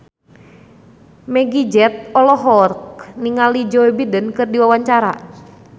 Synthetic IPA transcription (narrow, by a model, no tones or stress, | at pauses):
mɛɡid͡ʒɛt̪̚ɔlɔɦɔrkniŋalid͡ʒɔebidənkɨrdiwawaɲt͡ʃaɾa̰